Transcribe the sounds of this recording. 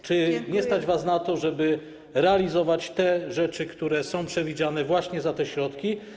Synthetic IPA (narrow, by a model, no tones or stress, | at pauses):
t͡ʂɘɲɛst̪ad͡ʑvasnat̪ɔʐɛbɘ | ɾɛalʲizɔvat͡ɕt̪ɛʐɛt͡ʂɘkt̪uɾɛsɔ̃w̃pʂɛvʲid͡ʑanɛvwaɕɲɛzat̪ɛɕɾɔt̪kʲi